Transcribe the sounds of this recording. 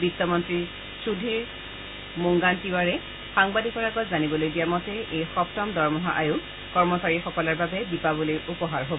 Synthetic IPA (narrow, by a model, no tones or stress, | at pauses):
bitːɔmɔntɹi | sudʱiɹ | muŋɡantiwaɹɛ | xaŋbadʱikɔɹaɡɔtzanibɔlojdijamɔtɛʔejxɔptɔmdɔɹmɔɦa̰ʔajʊ | kɔɹmɔsaɹixɔkɔlɔɹbabɛbipabolojupɔɦaɹɦob